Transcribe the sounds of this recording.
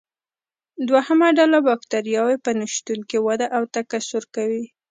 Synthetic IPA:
d̪wahamaɖalabɑkt̪aɾijɑwepənaʃt̪ulkewad̪aʔawt̪akasʊɾkawi

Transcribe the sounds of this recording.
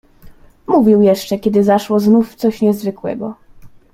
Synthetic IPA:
muvʲiwjɛʂt͡ʂɛkʲɛd̪ɘzaʂwɔznuft̪sɔɕɲɛzvɘkwɛ̰ɡɔ

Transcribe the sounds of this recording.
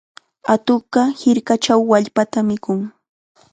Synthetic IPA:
at̪oɢɑhɪɾkat͡ʃawːaʎpat̪amɪkʊŋ

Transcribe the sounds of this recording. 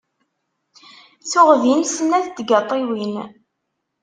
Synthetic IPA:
t͡sʊʁðinsnæðd̪ɡɑt̪ˤːiwin

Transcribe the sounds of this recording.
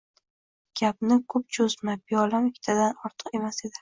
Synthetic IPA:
ɡ̥ʲabnɪkʰʊp̚t͡ʃʰozmabijɒlamɪkʲʰːt̪ʰad̪anɒɾt̪ʰə̥qe̞mased̪ɪ

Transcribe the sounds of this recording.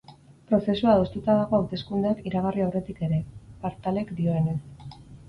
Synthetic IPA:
pɾo̞se̞suaðo̞st̪ut̪aðaɣo̞awt̪e̞skund̪akiɾaɣ̞ariawre̞t̪ike̞ɾe̞paɾt̪ale̞kd̪io̞e̞ne̞s

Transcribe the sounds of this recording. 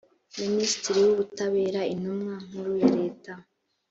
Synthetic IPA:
minisi̥tiɾijuβutaβe̞ːɾainumŋaːŋ̥uɾujaɾe̞ːta

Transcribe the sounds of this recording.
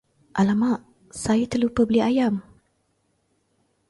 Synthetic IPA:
ʔalamaʔ | sajat̪əlupəbliajam

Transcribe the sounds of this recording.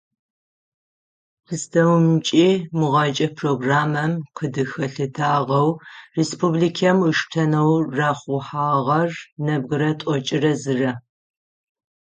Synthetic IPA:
qʰɨstʰɐwmt͡ʃʼiːmʊʁɐt͡ʃʼɐpʰroːɡraːmɐmqʰədɨxɐɬɨtʰaːʁɐwrespʰublikʰɐmɨʃtʰɐnɐwraːχʷʊħaːʁɐrnɐbɣɨɾɐtʷʼɔt͡ʃʼɪrɐzɨrɐ

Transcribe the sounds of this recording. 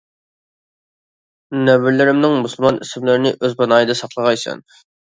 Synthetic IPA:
nɛwɪɾlɪɾɪmnɪŋmusɨlˠmɑnʔisɪmlɪɾɪnɪʔøzpʰɑnɑːjɨd̪ɑsɑqlˠəʁɑjsɛ̰n

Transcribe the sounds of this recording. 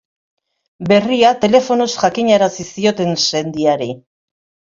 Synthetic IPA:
be̞riat̪e̞le̞fo̞no̞sʝakiɲaɾasisio̞t̪e̞nse̞nd̪iaɾi

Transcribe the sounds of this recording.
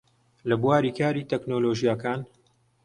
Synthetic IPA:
lɐbwaːɾiːkaːɾiːt̪ʰeknoːloːʒijakaːn

